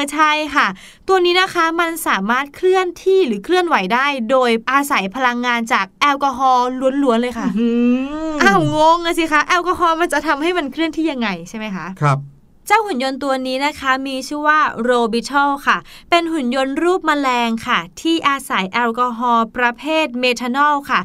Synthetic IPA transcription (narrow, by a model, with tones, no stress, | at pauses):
t͡ɕʰa˥˩jkʰa˥˩ | t̪u˧əniː˦˥na˦˥kʰa˦˥ma˧nsaː˨˩˦maː˥˩t̪̚kʰɾɯ˥˩ənt̪ʰiː˥˩ɾɯː˩˦kʰɾɯ˥˩ənwa˩˦jdaː˥˩jdoː˧jʔaː˧sa˩˦jpʰa˧la˧ŋːaː˧nt͡ɕaː˨˩k̚ʔɛː˧wkɔː˧ɦɔː˧lu˩˦ənlu˩˦ənlɤː˧jkʰa˥˩ | ʔaː˧˩wŋo˧˥ŋaː˧si˧˦˩kʰa˦˥ʔɛː˧wkɔ˧ɦɔː˧ma˧nt͡ɕa˨˩ʔt̪ʰa˧mha˥˩jma˧nkʰɾɯ˥˩ənt̪ʰiː˥˩ja˧ŋːa˧jt͡ɕʰa˥˩jma˦˥jkʰa˦˥ʔk̚ʰ | t͡ɕa˥˩whu˨˩˦njo˧nt̪u˧ɐniː˦˥na˦˥kʰa˦˥miː˧t͡ɕʰuː˥˩waː˥˩ɾoː˧bi˧t̪ʰɔ˥˩kʰa˥˩pe˧nɦu˨˩˦njo˧nɾuː˥˩p̚maː˧lɛː˧ŋkʰa˥˩t̪ʰiː˥˩ʔaː˧sa˩˦jʔɛː˧wkɔː˧ɦɔː˧pɾa˧pʰeː˥˩t̪̚meː˧t̪ʰa˧nɔː˥˩wkʰa˥˩